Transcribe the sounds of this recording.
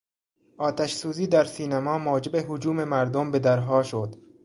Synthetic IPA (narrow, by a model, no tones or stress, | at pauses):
ʔɒːt̪ʰæʃsuːziːd̪æɾsiːnæmɒːmɒːd͡ʒebeɦod͡ʒuːmemæɾd̪ombe̞d̪æɾɦɒːʃod̪